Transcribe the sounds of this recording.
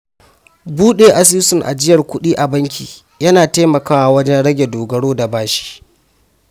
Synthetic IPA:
buː˦ɗeː˨ʔa˨s̬iː˦sʊ˨ŋʔa̰˨d͡ʒɪ˦jɐ˨rkʷʊ˦ɗiː˦ʔa˨bɐ˦ŋkʲiː˨ | jɐ˦naː˨taː˦mɐ˨kaː˦wa˨wɐ˦d͡ʒɛ˦nɽɐ˦ɡʲe˨doː˨ɡɐ˦ɽoː˦da˨baː˦ʃi̥˦

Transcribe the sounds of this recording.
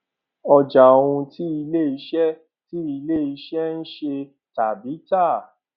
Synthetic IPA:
ɔ˧d͡ʒa˨o˨˧ũ˧ti˦i˧le˦˨i˨˧˦ʃɛ˦ | ti˦i˧le˦˨i˧˦ʃɛ˦n̩˦ʃe˧ | ta˨bi˨˦ta˦˨

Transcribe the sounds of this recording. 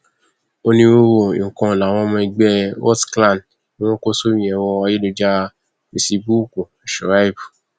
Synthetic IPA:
o˦nĩ˦wo˦wo˦˨ḭ̃˨kɔ̃˧˨la˨˦˨w̃ɔ̃˧˦˧mɔ̃˧i˧ɡ͡bɛ˦wɔ̰˦tklã˦˨n | nĩ˦w̃ɔ̃˦ko˦so˦mĩ˦ɛ˨˧wɔ˧ɔ˧je˦lo˧d͡ʒa˦ | i˧si˧bu˦ko˨ɛ˨ʃɔ˨ɾa˦i˦˨bu˨

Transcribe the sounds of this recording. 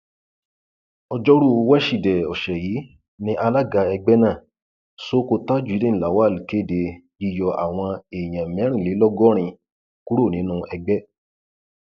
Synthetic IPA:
ɔ˧d͡ʒɔ˦ɾu˦˨˧wɛ˦ʃi˨dɛ˨ɔ˨ʃɛ˨jiː˨˦ | nĩ˦ʔa˧la˦˨ɡa˧ɛ˧ɡ͡bɛ˦nã˦˨ | so˦ko˧ta˦d͡ʒu˨i˨˦de˦˨la˨wa˦˨li˨ke˦˨de˨˧ | i˧jɔ˧ʔa̰˨w̃ɔ̃˧e˨j̃ã˨mɛ̃˨˦ɾ̃ĩ˦˨le˨˦lɔ˦ɡɔ˦ɾ̃ĩ˧ | ku˦ɾo˦˨nĩ˨˦nũ˦ɛ˧ɡ͡bɛ˦

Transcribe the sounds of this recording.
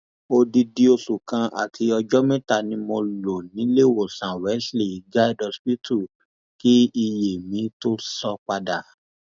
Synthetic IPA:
o˧di˧di˧o˧su˨kã˧ʔa̰˨tʰi˧ɔ˧d͡ʒɔ˦mɛ̃˦ta˦˨nĩ˧mɔ̃˧lo˨nĩ˨˦le˦˨wo˨sã˨wɛ˨˦sli˦˨ɡa˦˨dɔ˧spi˦tʰu˦˨ | ki˦i˧je˨mĩ˨˧˦to˦sɔ˧k͡pa˧da˨

